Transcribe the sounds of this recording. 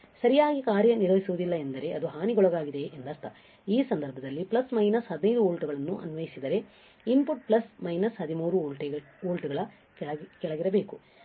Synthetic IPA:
sɐɾijaːɡikaːɾjɐniɾʋɐisuʋud̪ilːɐe̞nd̪ɐɾe̞ʔɐd̪uɦaːniɡɔɭɐɡaːɡid̪e̞ːnd̪ɐst̪ʰɐ | iːsɐnd̪ɐɾbʱɐd̪ɐlːiplɐsmɐjnɐsɦɐd̪inɐjd̪uoːɭʈuɡɐɭɐnːuʔɐ̰nuʋɐjisid̪ɐɾe̞ | impuʈ̚plɐsmɐjnɐsɦɐd̪imuːɾu | oːlʈuɡɐɭɐ | kɛɭɐɡiɾɐbe̞ːku

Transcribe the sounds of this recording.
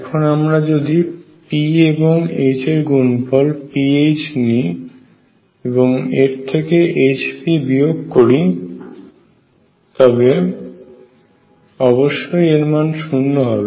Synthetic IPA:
ɛkʰonamɾad͡ʑod̪i | pieboŋet͡ɕeɾɡunfɔlpiet͡ɕni | eboŋeɾt̪ʰekeʔet͡ɕpibioɡkoɾi | t̪ɔbe | ɔboʃːojeɾmanʃunːoɦɔbe

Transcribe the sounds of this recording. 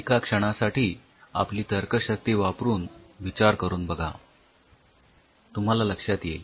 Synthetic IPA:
kakʂəɽ̃asaʈiː | a̰pliːt̪əɾkəɕək̚t̪iːʋapɾuːnʋit͡ɕaɾkəɾuːnbəɡʱa̰ | t̪um̤alaləkʂjat̪jḛ

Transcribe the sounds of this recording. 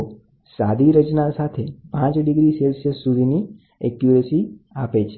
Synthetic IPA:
sad̪ʱiɾət͡ʃnasat̪ʰepãt͡ʃɖiɡɾiselsəsːud̪ʱini | ɛkjuəsiapet͡ʃʰe

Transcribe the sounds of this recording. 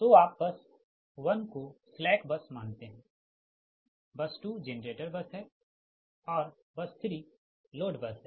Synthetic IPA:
t̪oːaːp̚bɐs | ʋɐnkoslɛːkbɐsmaːnt̪eɦɛ̃ː | bɐsʈuːd͡ʒeːnəɾeːʈəɾbɐsɦɛ | ɔːɾ | bɐst̪ʰɾi | loːɖbɐsɦɛ̃ː

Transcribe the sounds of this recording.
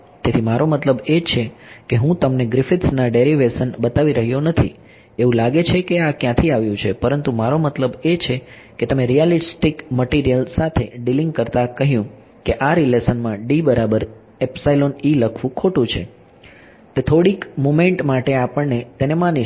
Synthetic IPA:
t̪et̪ʰimaɾomət̪ləbet͡ʃʰekeɦũt̪əmneɡɾɪfɪʈsnaɖeɾiʋesənbət̪aʋiɾəɦjonət̪ʰḭ | eʋũlaɡet͡ʃʰekeakjãt̪ʰiaʋjũt͡ʃʰepəɾənt̪umaɾomət̪ləbet͡ʃʰe | ket̪əmeɾijalisʈikməʈiɾijəlsat̪ʰeɖiliŋɡkəɾt̪akəɦjũ | keʔaɾilesənmãɖibəɾabəɾ | epsailoniləkʰʋũkʰoʈũt͡ʃʰḛ | t̪et̪ʰoɽikmomẽɳʈmaʈeapəɳnet̪enemãni

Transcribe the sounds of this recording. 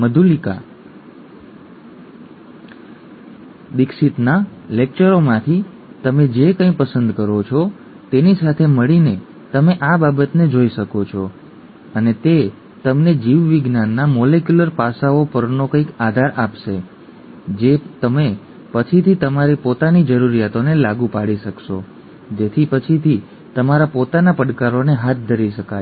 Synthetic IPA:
məd̪ʱulika̰ | d̪ɪkʃit̪nalek̚t͡ʃəɾomãt̪ʰi | t̪əmed͡ʒekə̃ĩpəsənd̪kəɾot͡ʃʰɔ | t̪enisat̪ʰeməɭine | t̪əmeʔababət̪ned͡ʒoiʃəkot͡ʃʰɔ | ənet̪e | t̪əmned͡ʒiʋːɪɡnanːamɔlekjuləɾpasaopəɾnokə̃ikad̪ʱaɾapʃe | d͡ʒet̪əme | pət͡ʃʰit̪ʰit̪əmaɾipot̪anid͡ʒəɾuɾijat̪onelaɡupaɽiʃəkʃo̰ | d͡ʒet̪ʰipət͡ʃʰit̪ʰi | t̪əmaɾapot̪anapəɽkaɾoneɦat̪̚ʰd̪ʱəɾiʃəkaj

